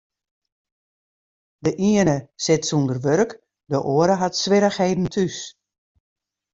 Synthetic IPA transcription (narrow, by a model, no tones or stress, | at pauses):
dəʔiənəsɪtsundərʋørk | dəʔoəɾəɦatsʋɪɾəxheːdn̩tʰys